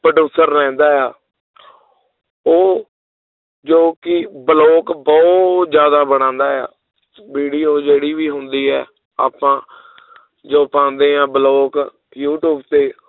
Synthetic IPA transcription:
pɾəɖuːsəɾːɛ̃ːnd̪aːjaː | oː | d͡ʒoːkɪbəloːkbɔʊt̪d͡ʒjaːd̪aːbəɽ̃ãːnd̪aːja̰ː | biːɖiːoːd͡ʒeːɽiːʋiːɦʊnd̪iːɦɛː | a̰ːpãː | d͡ʒoːpãːnd̪ẽːãːbəloːk | juːʈjuːbt̪eː

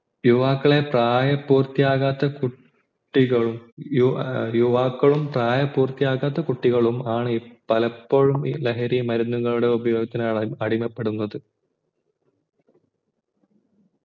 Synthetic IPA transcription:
juʋaːkːɐɭe̞praːjɐpːuːrt̪ːijaːɣaːt̪ːɐku | ʈːiɣɐɭumjujuʋaːkːɐɭumpraːjɐpːuːrt̪ijaːɣaːt̪ːɐkuʈːiɣɐɭumaːɳɨipːɐlɐpːo̞ːɻumḭleɦɐɾimɐɾunːuŋːɐɭuɽe̞ubɐjo̞ːɡɐt̪ːinaːɭɐɽimɐpːeɽunːɐðɨ

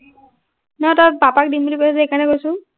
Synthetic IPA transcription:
nɔtɔbapak̚dinmbulipasazɛekaɹnɛkojsʊ̃

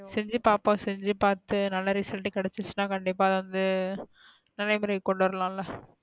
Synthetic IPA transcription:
sɛɲd͡ʒɯpaːpõːsɛɲd͡ʒɯpaːɾt̪ɯnɐlːɐɾɪsɐlʈːɯkɐɽɛt͡ʃːɯt͡ʃːɯnãːkɐɳɖɪpːaːðʋɐnd̪ɯ | nɐlɐɪmɐɾɐkɔɳɖɯʋɐɾlãːlɐ

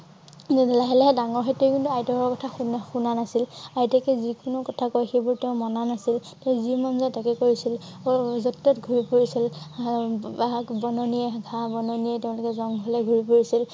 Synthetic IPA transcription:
nɛdɛlaɦɛlɛɦɛdaŋɔɹxetekintuajtɔkɔkɔtʰaxunxunanasilajtɛkɛzikʊnʊkɔtʰakɔjxejbuɹtɛʊ̃mɔnanasiltɛʊ̃zimanzajtakɛkoɹisilzɔtːɔtɡʱuɹipoɹisil | bakbɔnɔniɛɡʱãbɔnɔnijɛtɛʊ̃lʊkɛzɔŋɦɔlɛɡʱuɹipoɹisil

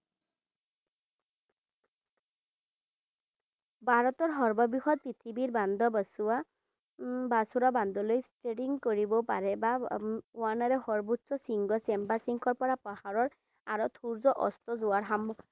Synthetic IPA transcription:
bʱaɹɔt̪ɔɹɦɔɹbɔbixɔt̪̚pɹit̪ʰibiɹband̪ʱɔbasua | basuɾaband̪ɔlojstɹeɖiŋkoɹibɔpaɹɛbauanaɾɛxɔɹbutsɔsiŋɡɔsembasiŋkʰɔɹpɔɹapahaɹɔɹ | aɹɔt̪ʰuɹzɔʔɔ̰st̪ɔzʊaɹɦamɔ

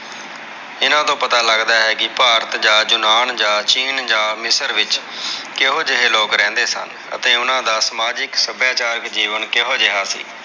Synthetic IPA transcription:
ɪnãːt̪õːpət̪aːləɡd̪aːɦɛːkɪpaːɾət̪d͡ʒaːd͡ʒʊnaːnd͡ʒãːt͡ʃiːnd͡ʒãːmɪsəɾʋɪt͡ʃ | kɪɦoːd͡ʒɪɦeːloːkɾɛ̃ːnd̪eːsə̰n | ə̰t̪eːʊnãːd̪aːsəmaːd͡ʒɪksəbjaːt͡ʃaːɾəkd͡ʒiːʋənkɪɦoːd͡ʒɪɦaːsḭː

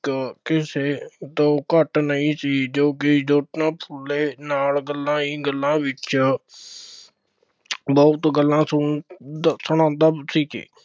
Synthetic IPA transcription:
kɪseːt̪õːkəʈnəĩːsiːd͡ʒoːk̬ɪd͡ʒoːʈnãːpʰʊlːeːnaːlɡəlːãːĩːɡəlːãːbɪt͡ʃ | bɔʊt̪ɡəlːãːsʊ | sʊɳ̃ãːnd̪aːsiːkḛː

